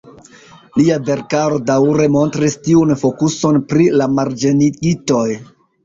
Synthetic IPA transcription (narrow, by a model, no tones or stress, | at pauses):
liabe̞ɾkaɾo̞dawɾe̞mo̞ntɾistiunfo̞kuso̞npɾilamaɾd͡ʒeniɡito̞j